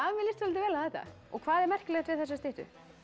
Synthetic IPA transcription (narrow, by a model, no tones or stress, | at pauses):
amɪlɪst̪vœlt̪ɪvɛːlaθɛht̪ːa̰ | ɔ̰kʰv̥aːðɛɾmɛr̥klɛxt̪vɪðθɛsːast̪ɪht̪ʏ̰